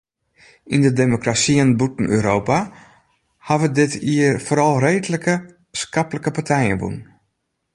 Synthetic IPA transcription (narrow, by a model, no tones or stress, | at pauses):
indədemokrasiənbutn̩ø̰ːɾoːpa | haʋədɪtiərfoːɾɑlˠreːdləkə | skapləkəpartʰɛjənbṵn